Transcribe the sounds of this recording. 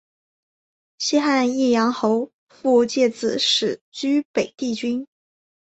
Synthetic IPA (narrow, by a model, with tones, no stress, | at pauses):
ɕi˥xa˥˧ni˥˩jɑ˧˥ŋxo˧˥ʊ | fu˥˧t͡ɕjɛ˥˩t͡sɹ̩˨˩˦ʂɻ̩˨˩t͡ɕy˥pe˨˩ɪt̪i˥˩t͡ɕy˥n